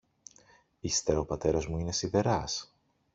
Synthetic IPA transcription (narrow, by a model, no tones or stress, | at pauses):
ist̪eɾɐopɐt̪e̞ɾɐzmuine̞siðe̞ɾɐs